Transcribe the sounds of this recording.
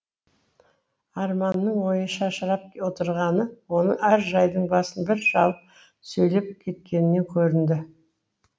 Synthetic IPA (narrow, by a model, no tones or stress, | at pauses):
ɑɾmɑnːəɴwo̞jəʃɑʃəɾɑp̚wo̞t̪əɾʁɑnəwo̞nə̰ʔæɾʒɑjd̪əɴbɑsənbɪɾʒɑlˠəp̚ | sɵjle̞p̚kʲʰe̞t̪̚kʲe̞nɪne̞kʲʰɵɾɪnd̪ɪ